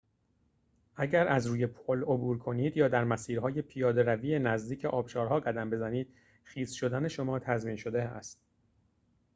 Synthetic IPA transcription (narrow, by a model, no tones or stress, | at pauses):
ʔæɟæɾæzɾuːje̞pʰolobuːɾkʰo̞niːd̪jɒːd̪æɾmæsiːɾɦɒːje̞pʰijɒːd̪e̞ɾæviːenæzd̪iːcʰeʔɒːbʃɒːɾɦɒːɡæd̪æmbe̞zæniːd̪̥ | xiːzʃo̞d̪æne̞ʃomɒːt̪ʰæzmiːnʃo̞d̪eæ̰st̪̚